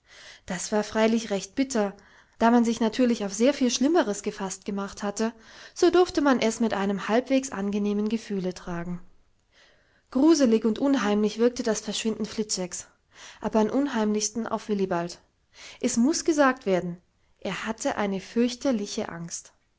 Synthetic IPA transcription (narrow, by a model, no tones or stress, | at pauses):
d̥asv̥aːɐfʁ̥aɪlɪçʁɛçt̚b̥ɪtʰɐ | d̥aːmanzɪçnatʰyːɐlɪçaʊfz̥eːɐfiːlʃlɪməʁəsɡ̥əfast̚ɡ̥əmaχthatəz̥oːdʊɐftəmanʔɛsmɪtʔaɪnəmhalpv̥eːksʔa̰nɡəneːmənɡəfyːlətʁ̥aːɡŋ̩ | ɡ̥ʁuːzəlɪçʊntʔʊnɦaɪmlɪçv̥ɪɐk̚tədasfɛɐʃv̥ɪndn̩flɪt͡sɛks | ʔaːbɐamʔʊnɦaɪmlɪçstn̩ʔa̰ʊfv̥ɪlibalt | ʔɛsmʊsɡ̥əzaːk̚tv̥eːɐdn̩ | ʔeːɐhatʰəʔa̰ɪnəfʏɐçtɐlɪçə̰ʔa̰ŋst